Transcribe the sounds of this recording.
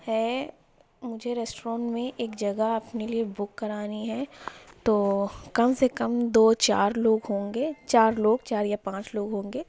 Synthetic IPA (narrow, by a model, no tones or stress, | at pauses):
hɛː | mʊd͡ʒʱeɾɛːsʈɾɔ̃ːɳʈmẽʔeːkd͡ʒɐɡəɐpneliebʊkːɐɾaːniɦɛt̪oːkɐmsekɐmd̪oːt͡ʃaːɾloːɡɦõːŋɡeːt͡ʃaːɾloːɡ̚t͡ʃaːɾjapãːt͡ʃloːɡɦõːŋɡeː